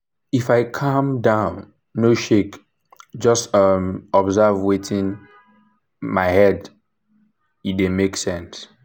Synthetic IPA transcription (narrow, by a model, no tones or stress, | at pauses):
ifaɪkʰʌ̃mdãʊ̃nː | oʃek | d͡ʒʌstʌmɔbzavwetʰĩn | maɪhɛd | idemeksɛ̃ns